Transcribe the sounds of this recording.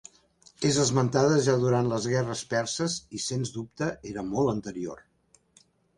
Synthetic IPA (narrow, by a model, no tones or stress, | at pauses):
ezəzmənt̪aðəʒaðuɾant̪ləzɣɛrəspɛɾsəzisenzd̪up̚t̪əʔeɾəmɔlˠənt̪əɾio̰r